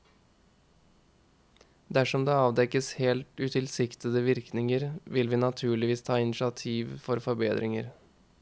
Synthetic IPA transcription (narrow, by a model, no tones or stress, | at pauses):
d̪æʂɔmd̪eːɑːʋd̪ɛkəsheːlt̪ʉːt̪ʰɪlsɪkt̪əd̪əʋɪɾknɪŋəɾʋɪlʋiːnɑt̪ʰʉːɭɪʋiːst̪ʰɑːɪnɪʃɑt̪ʰiːʋfɔɾfɔɾbḛːd̪ɾɪŋəɾ